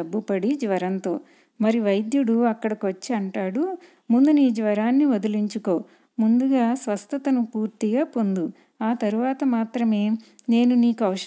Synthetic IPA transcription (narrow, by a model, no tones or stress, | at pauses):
ɐbːupɐɽid͡ʒʋɐɾɐnt̪o̞̰ː | mɐɾiʋɐjd̪juɽuɐkːɐɽɐkot͡ʃːiɐɳʈaːɽu | mund̪uniːd͡ʒʋɐɾaːnːiʋod̪uliɲt͡ʃuko̞ː | mund̪uɡaːsʋɐst̪ʰɐt̪ɐnupuːɾt̪iɡaːpo̞nd̪u | aːt̪ɐɾuʋaːt̪ɐmaːt̪ɾɐme̞ːne̞ːnuniːkuɐʋɐʂ